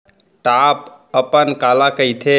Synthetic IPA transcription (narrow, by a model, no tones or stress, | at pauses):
ʈapəpənkalakəjt̪ʰe